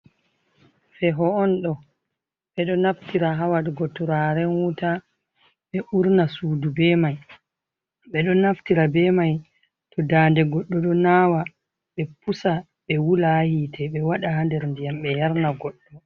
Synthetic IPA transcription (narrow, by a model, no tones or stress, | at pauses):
fɛɦɔːnɗɔ | ɓɛɗɔnaftiɾaɦawaɗɡɔtɔɾaɾɛnwuta | ɓɛʔuɾnasuːdubɛmaj | ɓɛɗɔnaftiɾabɛmaj | tʰɔdaːndɛɡɔɗːɔɗɔnaːwa | ɓɛpusa | ɓɛwulahitʰɛɓɛwaɗahandɛɾndijamɓɛjaɾnaɡɔɗːɔ